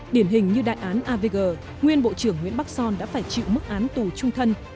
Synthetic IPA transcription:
ɗi˧˩ənɦï˨˩ŋ̟ɲɨ˧ɗa̰ː˧˨jʔaː˨˦nʔaː˧ve˧ɣəː˨˩ | ŋwi˧ənɓo̰˧˨t͡ɕɨ˧˩əŋːw̰i˧˥ənɓa˦˥k̚sɔ˧nɗa̰ː˧˥faː˧˩jt͡ɕḭ˧˨wmɨ˦˥k̚ʔaː˨˦nt̪u˨˩t͡ɕʊ˧ŋ͡mt̪ʰə˧n

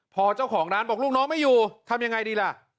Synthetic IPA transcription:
pʰɔː˧t͡ɕa˥˩wkʰɔː˩˦ŋɾaː˦˥nbɔː˨˩kluː˥˩knɔː˦˥ŋma˥˩juː˨˩t̪ʰa˧mja˧ŋa˧jdiː˧la˧˩ʔ

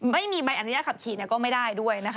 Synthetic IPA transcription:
ma˥˩jmiː˧ba˧jʔa˨˩nʰː˦jaː˥˩ka˨˩p̚kʰiː˨˩˦ni˥˩ɐkɔː˥˩ma˥˩jdaː˥˩jdu˥˩əjna˦˥kʰ

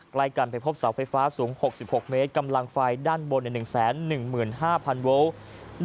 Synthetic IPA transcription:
kla˧jka˧˩npa˧˩jpʰo˦˥p̚sa˩˦wfa˧jfaː˦˥suː˩˦ŋho˨˩k̚si˨˩p̚ho˨˩k̚me˦˥t̪̚ka˧mla˧ŋfaː˧jdaː˥˩nwo˧nɛ˨˩nɯ˨˩ŋsɛː˩˦nːɯ˨˩ŋmɯː˨˩nɦaː˥˩pʰa˧nwo˦˥w

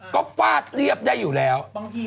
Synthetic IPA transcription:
kɔ˨˦kwaː˧t̪̚li˧˩əp̚ɗə˧jzu˨˩lɛ˨˦w

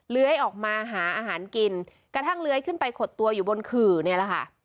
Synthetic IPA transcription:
lɯ˦˥əjʔɔː˨˩k̚maː˧ɦaː˩˦ʔaː˧ɦaː˩˦nki˧n | kɾa˧t̪ʰa˥˩ŋlɯ˦˥əjkʰɯ˥˩npa˧jkʰo˨˩t̪ːu˧ɐjuː˨˩bo˧nkʰɯː˨˩ni˥˩ɐla˨˩kʰa˥˩ʔ

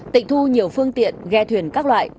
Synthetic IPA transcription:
t̪ḭ˧˨ŋ̟̚t̪ʰu˧ɲi˨˩əwfɨ˧əŋt̪ḭ˧˨ənɣɛ˧t̪ʰwi˨˩ənkaː˦˥k̚lwa̰ː˧˨j

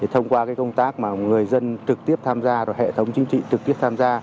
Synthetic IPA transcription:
ɗe˨˩t̪ʰə˧wŋ͡mkwaː˧kaː˨˦jkə˧wŋ͡mt̪aː˦˥k̚maː˨˩ŋɨ˨˩əjzə˧nt͡ɕɨ˨˩k̚t̪i˦˥əp̚t̪ʰaː˧mzaː˧zɔ˨˩hḛ˧˨t̪ʰə˨˦wŋ͡mt͡ɕï˨˦ŋ̟t͡ɕḭ˧˨t͡ɕɨ˨˩k̚t̪i˦˥əp̚t̪ʰaː˧mzaː˧

